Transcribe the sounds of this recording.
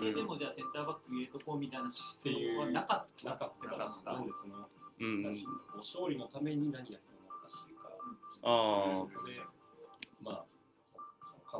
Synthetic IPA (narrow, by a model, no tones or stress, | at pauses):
od̪e̞mo̞d͡ʑaːsẽ̞nt̪aːbakːɯ̟iet̪okomʲit̪ainḁsejoβanakat̪nakat̪ːeaãnd̪eso̞no̞t̪aɕikoːɕo̞ːɾʲino̞t̪ame̞ɲ̟inaɲ̟ijat͡sɨjonat̪ːaɕika̰aod̪e̞ | maː | kʰa